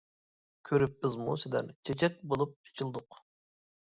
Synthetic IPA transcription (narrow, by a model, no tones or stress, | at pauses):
kʲʰøɾypːɪzmṵsɪd̪ɛ̰nt͡ʃʰet͡ʃʰɛt̪̚bolˠup̚ːi̥t͡ʃʰilˠd̪ʊq